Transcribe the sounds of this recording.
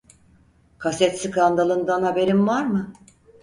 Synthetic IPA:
kʰasɛt̪sikand̪alˠɯnd̪anhabe̞ɾimvaɾmɯ

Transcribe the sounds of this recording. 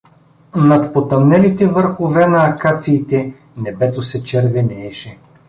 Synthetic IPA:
nɐt̪pot̪ɐmnɛlit̪ɛvɤɾxovɛnɐːkat̪siːt̪ɛ | nɛbɛt̪osɛt͡ʃɛɾvɛnɛɛʃɛ

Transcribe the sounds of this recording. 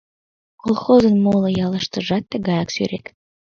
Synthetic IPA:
kolˠχozə̆nmolˠəjɑlˠɑʃt̪ɤʒɑt̪ːaɡɑjɑksø̰ɾek

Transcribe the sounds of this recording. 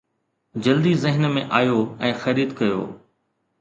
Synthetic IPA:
d͡ʑɐld̪izɪɦɪnmẽʔaːjoɛ̃ːxɐɾiːd̪kɐjo̰ː

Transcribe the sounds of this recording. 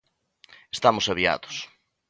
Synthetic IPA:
est̪amʊsaβia̰ðʊs

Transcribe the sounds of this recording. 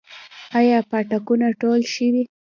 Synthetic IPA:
ajɑpaʈakunaʈolʃəwi

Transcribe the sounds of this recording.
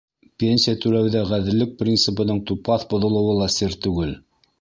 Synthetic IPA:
pʲenʲsʲijat̪ʉɾæwðæʁæðɘ̆lːɘk̚prʲint̪sɘ̆pɤ̆nɤɴt̪upɑθbŏðŏlˠɤ̆wɤlˠɑsɘɾt̪ʉɡɘl

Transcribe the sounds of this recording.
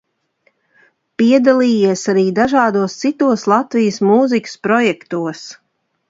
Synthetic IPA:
piɛd̪alˠiːjiɛsaɾiːd̪aʒɑːd̪uɔst̪sit̪uɔslˠat̪vijəsmuzikʲə̥spɾɔjɛkt̪uɔs

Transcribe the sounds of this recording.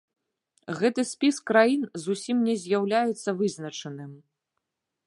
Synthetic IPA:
ɣɛt̪ɨsʲpʲiskɾajinzusʲimnʲɛzʲjawlʲajɛt̪sːɐvɨznɐt͡ʂɐnɨm

